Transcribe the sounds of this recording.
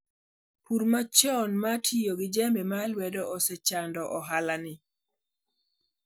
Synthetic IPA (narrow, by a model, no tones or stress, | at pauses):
puɾmat͡ʃɔnmatʰijoɡɪd͡ʒɛmbɛmalwɛdɔʔɔsɛt͡ʃandɔʔɔɦalanɪ